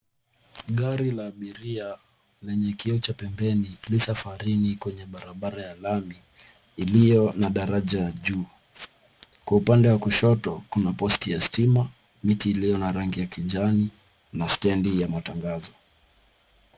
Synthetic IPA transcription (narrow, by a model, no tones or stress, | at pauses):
ɠaɾilaːɓiɾia | lɛɲɛkiɔt͡ʃapɛmbɛnilisafaɾinikwɛɲɛɓaɾaɓaɾajalamiː | lijɔnaɗaɾaʄaʄuː | kwaupandɛwakuʃɔtɔkunapɔstijastima | mitiːlijɔnaɾaŋɡijakiʄani | nastɛndijamataŋɡazɔ